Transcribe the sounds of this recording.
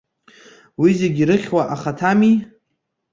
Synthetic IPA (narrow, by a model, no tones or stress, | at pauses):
wizeɡʲiɾɨχʲwaʔaχatʰami